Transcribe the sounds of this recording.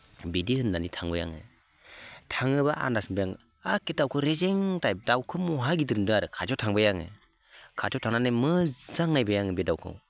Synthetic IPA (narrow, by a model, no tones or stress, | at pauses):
bidihɯndanitʰaŋbɯja̰ŋɯ̰ | tʰaŋɯbaʔa̰ndasɯnbɯjaŋ | akedawkʰɯwɾezeŋtajp̚dawkʰɯmɔɦaɡidɯɾndɯaɾɯkʰad͡ʒɔwtʰaŋbɯjaŋɯ̰ | kʰad͡ʒɔwtʰaŋnanɯmɯzaŋnajbɯjaŋɯbedawkʰɯ̰w